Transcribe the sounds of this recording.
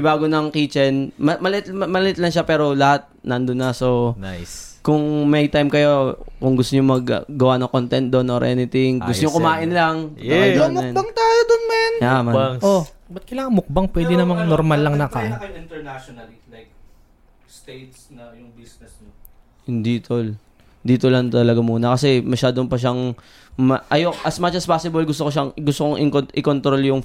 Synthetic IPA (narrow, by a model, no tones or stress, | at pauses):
baːɡonɐŋkiːt͡ʃɛnmɐmɐlʔɪt̪mɐlɪhɪt̪lɐŋʃapɛːɾo̞lɐhat̪̚nɐnd̪ʊnːɐsonajs | kʊŋmɐjt̪ajmkɐjo̞kʊŋɡʊst̪ʊɲʊmɐɡɡɐwanɐŋkont̪ɛnt̪̚d̪o̞nʔoɾʔɛ̰nɪt̪ɪŋɡʊst̪oɲoŋkʊmaːʔɪnlɐŋɛɐjnnbaŋt̪aːjod̪onmanjamɐʔobɐt̪̚kɐjlaːkɐŋmʊk̚baŋpwɛːd̪ɪnɐmɐŋnoɾmalːɐŋnɐkaɪnt̪ɛɹnaʃonɐllajk̚ | st̪ejt̪̚snɐjʊŋbisnɛsno | hɪnd̪iːt̪ʰol | nd̪iːt̪olɐŋt̪ɐlɐɡamuːnɐkɐsɛmɐʃaːd̪ompɐʃ̬aŋ | mɐʔɐjoʔʔɐsmat͡ʃɐspaːsɪbɐlɡʊst̪okoʃ̬aŋɡʊst̪okoŋʔɪŋkoʔɪkont̪ɾo̞ljʊŋ